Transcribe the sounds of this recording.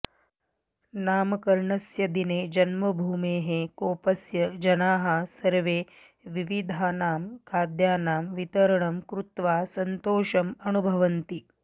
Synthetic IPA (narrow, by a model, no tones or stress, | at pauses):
naːmɐkɐɾɳɐsjɐd̪ineːd͡ʒɐnmɐbʱuːmeːɦekoːpɐsjɐd͡ʒɐnaːɦɐsɐɾʋeː | ʋiʋid̪ʱaːnaːmkaːd̪jaːnaːmʋit̪ɐɾɳɐmkɾut̪ʋaːsɐnt̪oːʃɐmɐnubʱɐʋɐnt̪i